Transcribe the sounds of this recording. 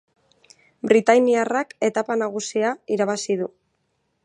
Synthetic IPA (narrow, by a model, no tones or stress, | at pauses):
bɾit̪ajniarake̞t̪apanaɣ̞usiaiɾaβasiðu